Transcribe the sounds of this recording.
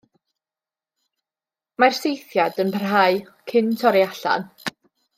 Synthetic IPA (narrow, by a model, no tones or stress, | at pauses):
marsejθjadənpʰər̥ɦaɨ | kʰɪntʰɔɾiaɬa̰n